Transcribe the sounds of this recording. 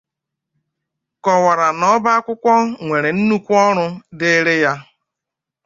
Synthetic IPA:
kɔ˨wa˨ɾa˨nɔ˦ba˦kʷʊ˦kʷɔ˦ŋʷe˨ɾe˨n̩˦nu˦kʷɔ˦ɾʊ˦dɪ˦ɾɪ˦ja˦

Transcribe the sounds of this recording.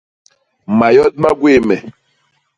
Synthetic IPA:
ma˨jɔ˦d̚ma˦ɡwe˦˨mɛ˨

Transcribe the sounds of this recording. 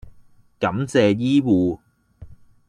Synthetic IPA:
kɐ˨˥mt͡sɛː˨˧jiː˥wuː˨˧

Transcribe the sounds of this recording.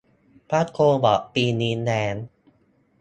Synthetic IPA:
pʰaː˦˥t̪̚kʰoː˧bɔ̰˨˩ʔpiː˧niː˦˥nɛː˦˥n

